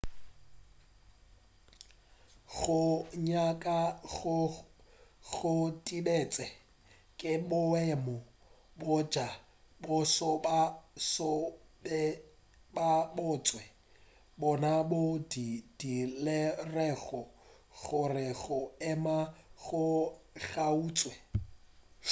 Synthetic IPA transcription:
ɣʊɲakʼaɣ | ɣʊtʼidet͡sʼɛ | kʼɪbʊɛmɔ | bʊd͡ʒa | bʊsɔbasɔbɛ | babʊt͡sʼwɛ | bɔnabʊdid̥ilɪrɛɣɔ | ɣʊrɪɣʊɛmaɣʊ | ɣauːt͡sʼwɛ

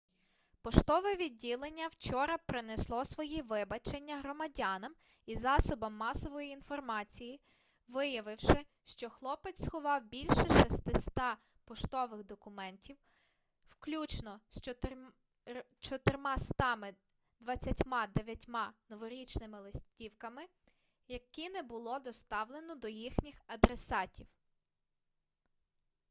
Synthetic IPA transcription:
pɔʃt̪ɔʋɛʋʲidʲːilˠenʲːɐwt͡ʃɔɾɐpɾɪneslˠɔsʋɔjiʋɪbɐt͡ʃenʲːɐɦɾɔmɐdʲɑnɐm | izɑsɔbɐmːɑsɔʋɔjiːn̪fɔrmɑt͡sʲiji | ʋɪjɐʋɪwʃɪ | ʃt͡ʃɔxlˠɔpet͡sʲsxʊʋɑwbʲilʲʃɛʃist̪ɪst̪ɑ | pɔʃt̪ɔʋɪɣd̪ɔkʊmɛntʲiw | wklʲut͡ʃnɔst͡ʃ | t͡ʃɔt̪ɪrmɑst̪ɑmɪ | d̪ʋɐt͡sʲːɐtʲmɑd̪eʋʲjɐtʲmɑnɔʋɔɾʲit͡ʃnɪmɪlˠɪsʲtʲiwkɐmɪ | jɐkinɛbʊlˠɔd̪ɔst̪ɑwlˠenɔd̪ɔjixnʲixɐd̪ɾesɑtʲiw

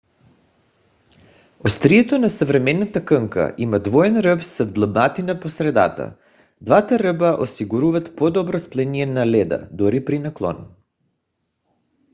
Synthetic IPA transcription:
ost̪ɾijɛt̪onasəvɾɛmɛnat̪akəŋka̰ʔimad̪vɔɛnɾəpsəvd̪lˠəbnat̪inaposɾɛd̪a̰t̪a̰ | d̪vat̪aɾəbaʔosiɡuɾuvat̪pod̪ɔbɾɔsplɛnijɛnalɛd̪a̰d̪uɾipɾinaklˠɔ̰n

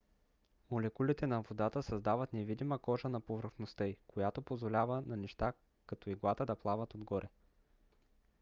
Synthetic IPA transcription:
molɛkulʲit̪ɛnɐvod̪at̪əsɐzd̪avət̪nɛvid̪iməkɔʒənɐpovɾxnost̪əikojat̪opozvolʲavənɐnɛʃt̪a | kɐt̪ɔiɡlˠat̪əd̪ɐplˠavət̪od̪ɡɔɾʔɛ

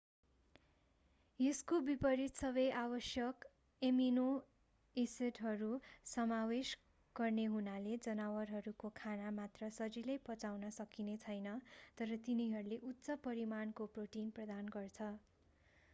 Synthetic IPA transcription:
eskobipʌɾit̪sʌbʌjʔabʌsjʌk | emino | eseʈɦʌɾusʌmawes | ɡ̥ʌrneɦunaled͡zʌnawʌrɦʌɾukokʰanamat̪rʌsʌd͡zilʌjpʌt͡sawnʌsʌkinet͡sʰʌjnʌt̪ʌɾʌt̪iniɦʌɾuleʔut̪ːsʌpʌɾimankoproʈinprʌd̪anɡʌrt͡sʰʌ

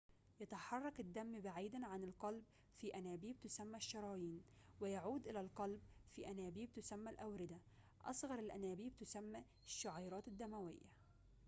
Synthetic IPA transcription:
jɑt̪ɑħɑrˤːɑkɪd̪ːæmːbaʕiːd̪anʕanɪlqɑlb | fiːʔænæːbiːb̚t̪ʊsæmːæʃːɑɾˤɑːjiːn | wɪjaʕuːd̪ʔɪlælqɑlbfiːʔænæːbiːb̚t̪ʊsæmːælʔawɾɪd̪a | ʔɑ̰sˤɣɑɾˤɪlʔænæːbiːbt̪ʊsæmːæ | ʃːʊʕɑːɾˤɑːt̪ɪd̪ːæmæwɪ̰jːa

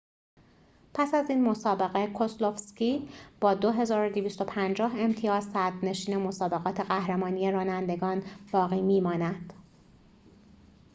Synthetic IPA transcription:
pʰæsæziːnmo̞sɒːbe̞ɣe̞kʰoslo̞fscib̥ɒːd̪o̞ɦe̞zɒːɾod̪eviːst̪o̞pʰænd͡ʒɒːɦe̞mt̪ʰijɒːzsæd̪ne̞ʃiːne̞mo̞sɒːbe̞ɣɒːt̪ʰe̞ɣæhɾemɒːnije̞ɾɒːnænd̪e̞ɡɒːnb̥ɒːɣiːmiːmɒːnæd̪̥

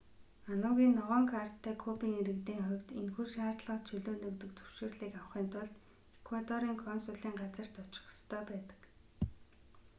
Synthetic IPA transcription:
anʊːɣʲiːnːɔʁɔːŋkʰar̥t̪ʰːæːkʰupiːŋeɾɘ̆kt̪eːŋχʊwʲt̪inxurʃaːrɮə̆χt͡ɕʰɵɮoːnɵkt̪ɵ̆k̚t͡s̪ʰɵ̥w̥ʃuːrɮiːkaw̆χiːnt̪ʰʊɮt̪ | ekwat̪ɔɾiːŋkʰɔnsʊːɮiːŋɢat͡sə̆r̥t̪ɔt͡ɕɪ̥̆st̪ʰœːpæːt̪ə̥̆k

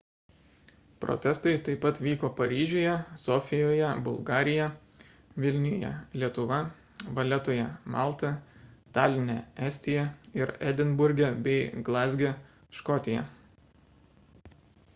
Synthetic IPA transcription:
pɾʔɔ̰t̪ʲɛst̪ɐɪt̪ɐɪpːɐt̪ʋʲiːkoːpɐɾʲiːʒʲojɛsɔfʲɪjoːjɛbʊlˠɡɑːɾʲɪjɛ | ʋʲɪlʲnʲɪjoːjɛ̰lʲiɛt̪ʊʋɐ | ʋɐlʲɛt̪oːjɛmɑˑlˠt̪ɐt̪ɑːlʲɪnʲɛɛæsʲt̪ʲɪjɛɪɾɛd̪ʲɪnbʊɾʲɡʲɛbʲɛɪɡlˠɑːzʲɡʲɛ | ʃkɔt̪ʲɪjɛ̰

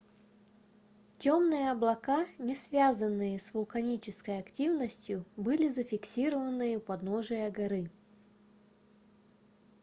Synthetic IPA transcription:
tʲomnɨjəɐblˠɐkanʲɪsvʲazənːɨjəsvʊlˠkɐnʲit͡ɕɪskəjɐktʲivnəsʲtʲjʊbɨlʲɪzəfʲɪksʲiɾəvənːɨjəpɐd̪noʐɨjəɡɐɾɨ

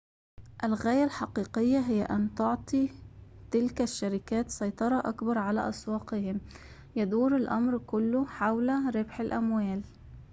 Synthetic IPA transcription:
ʔɪlɣæːjalħɑqiːqɪjːaɦɪj̰ːʔant̪ʊʕt̪ˤit̪ɪlkaʃːaɾɪkæːt̪sˤɑjt̪ˤɑɾˤɑʔakbɑɾˤʕalæ̰ʔɑswɑːqɪhɪm | jad̪uːɾɪlʔɑmɾkʊlːʊħawlaɾɪbħɪlʔamwæːl

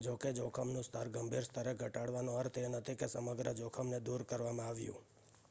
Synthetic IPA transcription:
d͡ʒoked͡ʒokʰəmnũst̪ʰəɾɡəmbʱiɾst̪ʰəɾeɡʱəʈaɽʋanõəɾt̪ʰenət̪ʰikesəməɡɾəd͡ʒokʰəmned̪uɾkəɾʋamãaʋjṵ̃

